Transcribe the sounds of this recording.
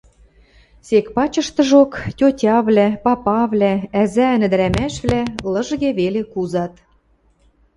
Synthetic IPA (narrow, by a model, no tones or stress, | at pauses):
sekpɑt͡ɕɤ̆ʃt̪ɤ̆ʒoktʲotʲɑβlæpɑpɑβlææzæɘnɘ̆d̪ɘ̆ɾæmæʃβlælɤ̆ʒɣeβelekuzɑt̪